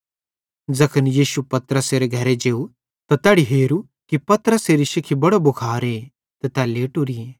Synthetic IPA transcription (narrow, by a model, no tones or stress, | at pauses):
d͡zɐkʰənjiːʃupɐt̪ɾəseːɾeɡʱɐɾed͡ʒeːu | t̪ɐt̪ɛːɽiɦeːɾu | kipɐt̪ɾəseːɾiʃɪkʰibɐɽobʊkʰaːɾeː | t̪ɐt̪ɛleːʈuɾie